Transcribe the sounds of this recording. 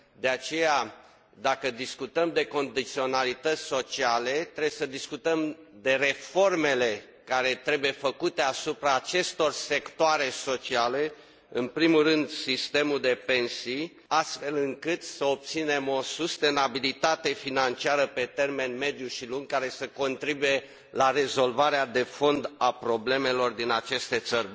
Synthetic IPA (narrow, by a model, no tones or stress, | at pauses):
d̪e̞at͡ʃe̞ja | d̪akəd̪iskut̪əmd̪e̞ko̞nd̪it̪sio̞nalit̪ət̪sʲso̞t͡ʃiale̞t̪ɾebesəd̪iskut̪əm | d̪e̞re̞fo̞rme̞le̞ | kaɾe̞t̪ɾe̞buje̞fəkut̪e̞asupɾaːt͡ʃe̞st̪o̞rse̞kt̪oaɾe̞so̞t͡ʃiale̞ | ɨnpɾimurɨnd̪sist̪e̞muld̪e̞pe̞nsi | ast̪fe̞lɨŋkɨt̪səop̚t̪sine̞mo̞sust̪e̞nabilit̪at̪e̞finant͡ʃiaɾəpe̞t̪e̞rme̞nme̞d̪juʃiluŋɡkaɾe̞səko̞nt̪ɾibuje̞ | lare̞zo̞lvaɾead̪e̞fo̞nd̪apɾo̞ble̞me̞lo̞rd̪inat͡ʃe̞st̪e̞t̪sərʲ